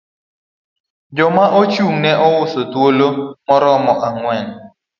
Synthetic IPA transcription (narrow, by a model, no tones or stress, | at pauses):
d͡ʒɔmaʔot͡ʃuŋnɛʔɔwʊsotwolomɔɾɔmɔʔaŋwɛn